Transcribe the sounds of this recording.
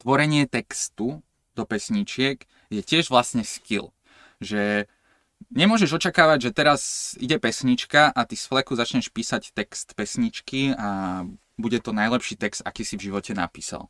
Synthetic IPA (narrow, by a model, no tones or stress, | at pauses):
t̪ʋɔɾɛɲɪɛt̪ɛkst̪u | d̪ɔpɛsɲit͡ʃɪɛk | jɛcɪɛʒʋlasɲɛscil | ʒɛ | ɲɛmʊɔʒɛʒɔt͡ʃakaːʋaɟʒɛt̪ɛɾaziɟɛpɛsɲit͡ʃkaʔat̪isflɛkuzat͡ʃɲɛʃpiːsact̪ɛkst̪pɛsɲit͡ʃkia | buɟɛt̪ɔnajlɛpʃiːt̪ɛkst̪a̰kiːsivʒiʋɔcɛna̰piːsa̰l